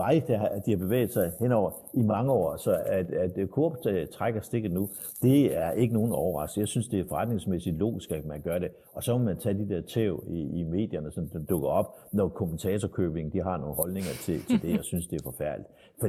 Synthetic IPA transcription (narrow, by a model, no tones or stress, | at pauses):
ɑ̈ɪd̥ed̥ihɑ̈b̥e̝ʋḛːð̩ˠsɑ̈ɪhen̰ɒʊ̰ɐimɑ̈ŋəɒ̰ːsɒ̽æd̥æd̥kʰoɐb̥t͡sʰʁaɡ̥ɐsd̥e̝ɡ̥ð̩ˠnu | d̥e̝æɐʔe̝ɡ̥əno̝ːn̩ɒʊɐʁɑ̈sɡ̥̩jɑ̈ɪsynsd̥e̝æ̥fɒ̽ʁɑ̈d̥ne̝ŋsmesid̥lo̝̰ːɡ̥isɡ̥æ̥mænɡ̥ɶɐɾe̝ | ɒ̽sɒ̽mɒmænt͡sʰɛd̥id̥eɐ̰t͡sʰeʊiːme̝̰ːd̥jɐnəsɒ̽nd̥ɔɡ̥ɐɒ̽b̥̚nɒkʰomənt͡sʰɛːt͡sʰɒkʰøb̥e̝ŋn̩d̥iɦɑ̈no̝ːn̩ɦɒ̽lne̝ŋɐt͡sʰe̝t͡sʰe̝ld̥e̝jäɪsynsd̥e̝æɐfɒfæɐ̰lid̥ | fɒ̥̽